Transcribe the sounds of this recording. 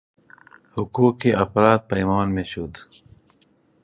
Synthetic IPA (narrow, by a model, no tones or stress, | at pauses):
hʊkuːkːeʔɐfɾaːt̪̚pɐjmaːnmẽɕud̪